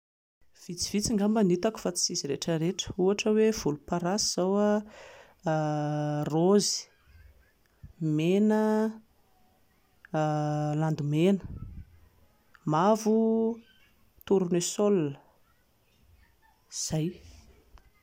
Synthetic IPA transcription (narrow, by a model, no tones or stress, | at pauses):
v̥it͡si̥v̥it͡siŋɡambanit̪aku̥fat͡si̥siziɾeʈ͡ʂəɾeʈ͡ʂə̥uaʈ͡ʂəwev̥ulupaɾasiz̥awa | rozi̥ | menə | land̪umenə̥ | mavu | t̪uɾunesolːə | z̥aj